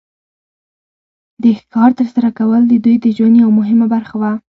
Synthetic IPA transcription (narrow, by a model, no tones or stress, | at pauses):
d̪əxkɑɾt̪əɾsaɾakawəld̪əd̪ujd̪əʒwanjawamʊɦɪmabaɾxawa